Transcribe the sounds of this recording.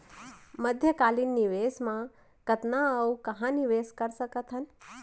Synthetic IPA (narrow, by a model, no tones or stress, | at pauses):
məd̪ʱjəkaːlinːiʋeːsmã | kət̪naəwkɐɦãniʋeːskəɾsəkət̪ʰɦən